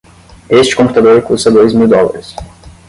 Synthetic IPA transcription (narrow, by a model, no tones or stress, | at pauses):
est͡ʃi̥kõmput̪ɐd̪oɾikusɐd̪ojzmild̪ɔlˠɐ̰ɾis